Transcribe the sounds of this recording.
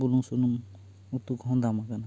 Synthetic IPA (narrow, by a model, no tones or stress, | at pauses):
buluŋsunuŋ | ut̪ukɔɦɔnd̪amakana